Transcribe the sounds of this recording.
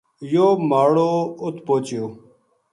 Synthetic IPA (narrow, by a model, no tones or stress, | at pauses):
joːmaːɽoːʊt̪poːt͡ʃɪjoː